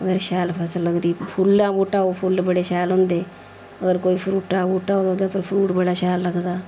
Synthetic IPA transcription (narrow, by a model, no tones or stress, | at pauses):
əɡəɾʃaːlpʰəsəlːəɡd̪iːpʰulːãːbuːʈaːopʰulːbəɽeʃaːlɦõːnd̪eː | əɡəɾkoːiːpʰɾuːʈaːbuːʈaːɦod̪õd̪apəɾpʰɾuːʈbəɽaʃaːlːəɡd̪aː